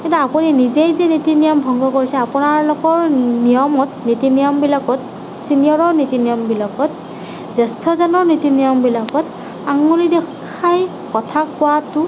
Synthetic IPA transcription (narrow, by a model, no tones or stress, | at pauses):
kɛtaapuninizejzenitinijɔmbʱɔŋɡʱɔkoɹisɛapʊnaɹlʊkɔɹnijɔmɔtnitinijɔmbilakɔt̚ | sinijɔɹɔɹnitinijɔmbilakɔt̚ | zɛstʰɔzɔnɔɹnitinijɔmbilakɔt | aŋɡulidɛaj | kɔtʰakʊwatʊ